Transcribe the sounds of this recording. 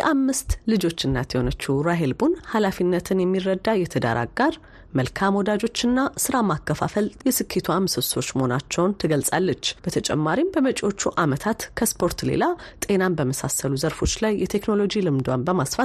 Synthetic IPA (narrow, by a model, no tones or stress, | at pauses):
jɛʔamːɨst̪lɨd͡ʒo̞t͡ʃːɨnːat̪ʰjɛho̞nət͡ʃːuɾaɦelbunhalafinːət̪ʰɨnjɛmːirːəd̪ːajɛt̪ʰəd̪a̰ɾa̰ɡaɾ | məlkʰamwɔd̪ad͡ʒo̞t͡ʃːɨnːasɨɾamakʰːəfa̰fəljɛsɨkʰːet̪ʰuamɨsɨso̞t͡ʃːməhonat͡ʃːɛwnt̪ʰɨɡəlsʼalːət͡ʃːb̥ət̪ʰət͡ʃʼɛ̰mːaɾimbəmət͡ʃʼo̞t͡ʃːuʔamət̪ʰat̪kʰəspʰo̞ɾt̪lḛlat̪ʼe̞nanbəməsasəluzəɾfo̞t͡ʃːlajːɛt̪ʰe̞kno̞lo̞d͡ʒilɨmd̪wanbəmasfat̪